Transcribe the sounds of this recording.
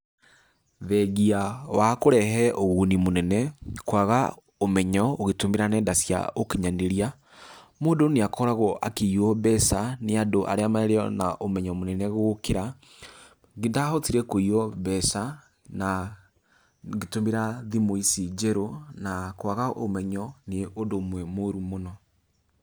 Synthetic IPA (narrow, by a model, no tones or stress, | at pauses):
βɛɣiawakoɾɛɦɛʔoɣunimonɛnɛkwaɣa | omɛɲɔoɣetomeɾanɛndasja̰okeɲaneɾia | moːndoneakɔɾaɣɔʔa̰keiwɔβɛsaneadoʔa̰ɾeamaɛɾeɔnaʔomɛɲɔmonɛnɛɣokeɾa | ɡendahɔtiɾɛkoiɔβɛsa | na | ɣetomeɾaðimoisid͡ʒɛɾonakwaɣaʔo̰mɛɲɔneʔodomwɛmoɾumonɔ